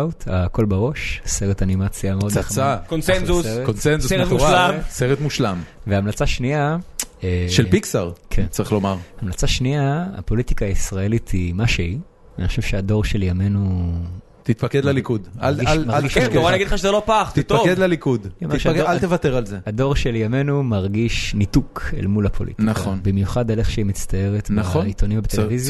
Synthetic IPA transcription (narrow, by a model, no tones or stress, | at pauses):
wt̪ako̞lbeʁo̞ʃseʁetanimat͡sjameod̪aakonsenzusekonsenzuseʁetmuʃalamseʁet̪muʃlamveaːmlat͡saʃniaeʃelpiksaʁkʰent͡saʁiχlo̞maʁhamlat͡saʃniaa̰po̞lit̪ikaːisʁaelit̪ʰimaʃei | aniχoʃev̥ʃead̪o̞ʁʃe̞ljame̞nu | t̪it̪̚paked̪lalikudalilmaʁalɡiʃoʁaniaɡidlχaʃezelopaχt̪it̪̚okedlalikud̪omeiʃalt̪evat̪eʁalzead̪o̞ʁʃeljame̞numaʁɡiʃnit̪ukʰḛlmulapʰo̞lʔḭt̪inaonbimjuχad̪aleχʃeimit͡st̪aje̞ʁet̪mnaχoit̪onimvbet̪eevizja